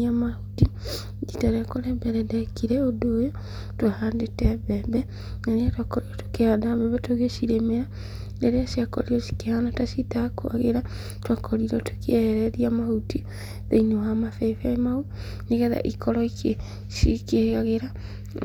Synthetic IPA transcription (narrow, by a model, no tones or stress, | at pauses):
amahuti | ditaɾeakoɾɛbɛɾɛdɛkiɾɛodojo | twahandetɛbɛbɛ | naneatwakɔɾiɾɔto̥kehadaβɛβɛtoɣesiɾemeɾa | ndeɾeasiakɔ̰ɾiɾɔsi̥kehanatasitakoa̰ɣeɾa | twakʰɔɾiɾɔtokɛɾɛɾiamahuti | ðeinewamafɛfamau | niɣɛða̰ʔikɔɾɔike | sikeaɣeɾa